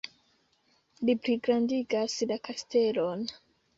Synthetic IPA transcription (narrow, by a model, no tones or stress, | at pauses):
lipɾiɡɾandiɡaslakaste̞lo̞n